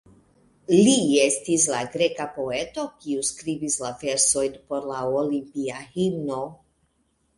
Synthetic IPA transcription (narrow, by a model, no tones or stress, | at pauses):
lie̞stis̬laɡɾe̞kapo̞e̞to̞kiuskɾivislave̞ɾso̞jnpo̞ɾlaolimpiahino̞